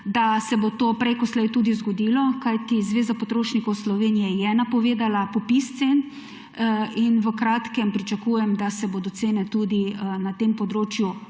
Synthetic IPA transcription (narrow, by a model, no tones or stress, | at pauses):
d̪asɛbot̪oːpɾɛjkɔslɛjt̪uːd̪izɡɔd̪ilɔkajt̪izʋeːzapot̪ɾoːʃnikɔwslɔʋeːnijɛjɛnapɔʋeːd̪alapɔpist̪sen | inʋəkɾaːt̪kɛmpɾit͡ʃakujɛmd̪asɛboːd̪ɔt̪seːnɛt̪ud̪inat̪empɔd̪ɾoːt͡ʃju